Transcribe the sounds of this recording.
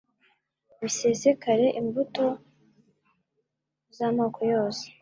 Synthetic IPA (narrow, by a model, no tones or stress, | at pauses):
βisesekaɾe̞ʔimbuto̞ | zaːmoːkʰojo̞ːse̥